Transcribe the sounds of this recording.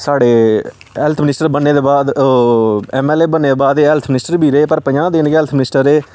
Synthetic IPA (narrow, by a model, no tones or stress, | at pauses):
saːɽeː | ɦɛlt̪ʰmɪnɪsʈəɾbənːeːd̪eːbaːd̪ | ɛːmɛːleːbənːeːd̪eːbaːd̪eːɦɛlt̪ʰmɪnɪsʈəɾbʱiːɾeeːpəɾpəd͡ʒãːd̪ɪnːɦɛlt̪ʰmɪnɪsʈəɾeː